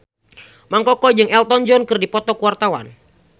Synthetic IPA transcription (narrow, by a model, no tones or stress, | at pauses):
maŋkɔkɔd͡ʒɨŋɛlt̪ɔnd͡ʒɔnkɨrdipɔt̪ɔkwart̪awa̰n